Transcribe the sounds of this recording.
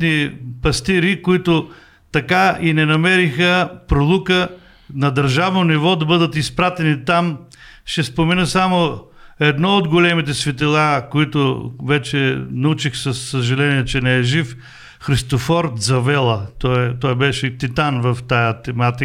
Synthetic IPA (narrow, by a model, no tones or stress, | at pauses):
nipɐst̪iɾikoit̪ʊ | t̪ɐkainɛnɐmɛɾixəpɾolˠukə | nɐd̪əɾʒavnonivɔd̪ɐbɤd̪ət̪ispɾat̪ɛnit̪am | ʃɛspomɛnəsamoɛd̪nɔod̪ɡolɛmit̪̬ɛsvit̪ɛlˠakoit̪ʊvɛt͡ʃɛnɐut͡ʃixsɐsːəʒɐlɛniɛt͡ʃɛnɛɛʒif | xɾist̪ofɔɾt̪zɐvɛlˠɐt̪ɔɛt̪ɔjbɛʃɛt̪it̪anvɐft̪ajɐt̪ɛmat̪i